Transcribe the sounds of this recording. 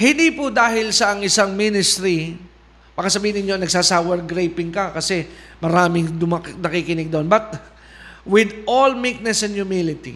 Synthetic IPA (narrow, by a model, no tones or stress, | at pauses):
hɪnd̪ipʊd̪aːɦɪlsɐʔɐŋʔɪsaŋminɪst̪ɾi | b̥aːkɐsɐbiːhɪnɪɲːoɐŋnɐɡ̚saːsawɛɾɡɾejpɪŋkɐkɐsɛmɐɾaːmɪŋd̪ʊmɐnɐkikɪnɛɡ̚d̪ɐonbɐt̪̚ | wɪd̪ʔolmik̚nɛsɛnd̪jʊmilɪt̪ḭ